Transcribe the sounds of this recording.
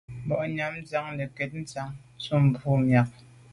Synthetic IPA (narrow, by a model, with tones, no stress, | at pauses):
bɔ˨ʔɲa˨˦m̩˦d͡za˨˦ŋle˨kɛ˨t̚n̩˦t͡sa˨˦ŋ˦t͡su˦˨m̩˨bu˦mja˨k̚